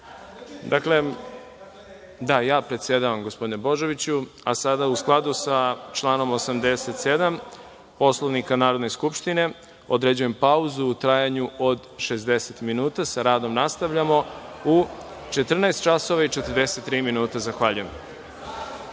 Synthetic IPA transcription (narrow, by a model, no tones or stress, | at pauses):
d̪akle̞ | d̪ajaːpɾet̪sje̞d̪aʋamɡospo̞d̪inebo̞ʒe̞ʋit͡ɕu | asad̪ausklˠad̪usat͡ʃlaːno̞mosamd̪e̞set̪se̞d̪am | po̞slˠoʋnikanaːɾo̞d̪ne̞skupʃt̪ine̞ | o̞d̪ɾe̞d͡ʑuje̞mpauzuːt̪ɾajaɲuod̪ʃe̞zd̪eset̪minuːt̪asaɾaːd̪o̞mnast̪aʋʎamo̞ut͡ʃe̞t̪r̩naest̪̚t͡ʃaso̞ʋait͡ʃe̞t̪r̩d̪e̞se̞t̪ːɾiːminuːt̪azaxʋaʎujem